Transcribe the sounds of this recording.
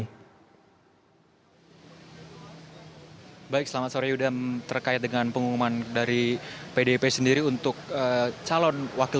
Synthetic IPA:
baɪk̚səlamat̪̚soɾajudant̪ərkaɪt̪̚dəŋanpəŋukumandaɾipedepesəndiɾiunt̪ʊk̚ət͡ʃalɔnwakɪ

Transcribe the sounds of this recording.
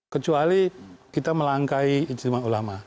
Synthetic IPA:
kət͡ʃualikit̪aməlaŋkaiːd͡ʒt̪imaulama

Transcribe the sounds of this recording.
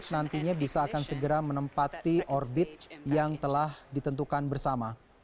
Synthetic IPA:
t̪̚nant̪iɲabisaːkansəɡəɾamənəmpat̪iʔɔrbɪt̪̚jaŋt̪əlahdit̪ənt̪ukanbərsama

